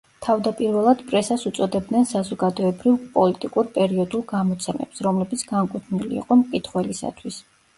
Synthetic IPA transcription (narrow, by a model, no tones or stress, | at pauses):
t̪ʰavd̪apʼiɾvɛlˠad̪̥pʼɾɛsasut̪sʼɔd̪ɛb̚d̪nɛnsazɔɡad̪ɔɛbɾivpʼɔlit̪ʼikʼuɾpʼɛɾiɔd̪ulˠɡamɔt̪sʰɛmɛ̰psɾɔmlɛbit̪sʰɡaŋkʼut̪ʰnilḭqʼɔmkʼit̪ʰχwɛlisa̰t̪ʰwis